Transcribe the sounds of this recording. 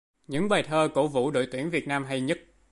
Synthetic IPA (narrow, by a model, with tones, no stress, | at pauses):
ɲɨ̰˧˥ŋɓaː˨˩jt̪ʰəː˧ko̰˧˥vṵ˧˨ɗo̰˧˨jt̪wi˧˩əŋvi˨˩ət̚naː˧mɦa˧jɲə˦˥t̚